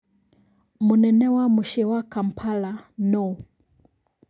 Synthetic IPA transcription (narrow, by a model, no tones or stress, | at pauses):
munɛnɛwamuʃɛwakam̩pʰalanɔ